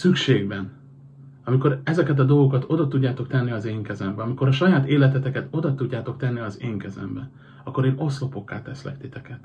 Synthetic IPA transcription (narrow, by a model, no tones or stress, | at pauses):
sykʃeːɡbɛn | ɒmiko̞ɾɛzɛkɛt̪̬ɒd̪o̞lɡo̞kɒt̪o̞d̪ɒt̪uɟːaːt̪o̞kt̪ɛnːiɒzeːŋkɛzɛmbɛɒmiko̞ɾɒʃɒjaːt̪eːlɛt̪ɛt̪ɛkɛt̪o̞d̪ɒt̪uɟːaːt̪o̞kt̪ɛnːiɒzeːŋkɛzɛ̰mbɛ | ɒkːo̞ɾeːno̞slopo̞kːa̰ːt̪ɛ̰slɛ̰kt̪it̪ɛkɛt̪